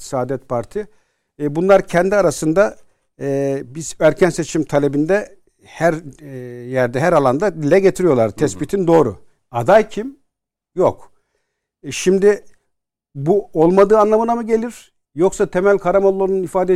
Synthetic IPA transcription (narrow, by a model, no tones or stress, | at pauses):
saːd̪ɛt̪̚pʰaɾt̪ʰi | bunlˠaɾcʰɛnd̪iaɾasɯnd̪a | bizæɾcʰænse̞t͡ʃʰimt̪ʰalʲe̞bind̪ɛ | hæɾ | jæɾd̪ɛɦæɾalˠand̪ad̪ilʲɛɟet̪ʰiɾijo̞ɾlˠaɾt̪ʰɛsbit̪ʰind̪oːɾṵ | ad̪ajcʰim | jok | ʃimd̪i | buolˠmad̪ɯːanlˠamɯnamɯɟe̞lʲiɾ̥ | jo̞ksat̪ʰemælʲkʰaɾamolˠːoɾununifaːd̪ɛ